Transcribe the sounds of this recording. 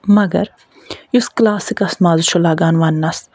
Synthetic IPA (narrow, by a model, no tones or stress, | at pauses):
mɐɡɐ̰ɾ | jusklaːsikɐsmaːzʃʰolaːɡaːnʋɐnːɐs